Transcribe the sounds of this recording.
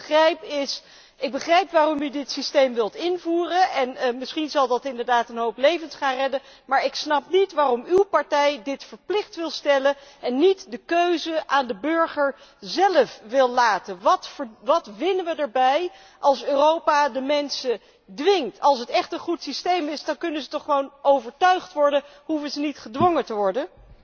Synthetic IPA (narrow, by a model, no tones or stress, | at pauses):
ərɛjpɪs | ɪɡ̚bəχrɛjpʋaːrɔmydɪtsistejmʋɪlˠtɪnvuːrənɛnmɪsχinzɑlˠdɑtɪndəɹdaːtənɦowplejvənsχaːnrɛdə | maːɹɪksnɑpnitʋaːrɔmywpɑɹtɛjdɪtfəɹplɪχtʋɪlˠstɛləɛnːitdəkøɥzəʔaːndəbɵɹχəɹ | zɛləfʋɪlˠlaːtənʋɑtʋɑtʋɪnəʋədəɹbɛj | ʔɑlˠsøːrowpadəmɛnsə | dʋɪŋktʰɑlˠs̬ətɛχtənχutsistejmɪsdɑnkɵnəzətɔχːəʋownowvəɹtœɥχtʋɔɹdəɦufəzənitχədʋɔŋətəʋɔɹdən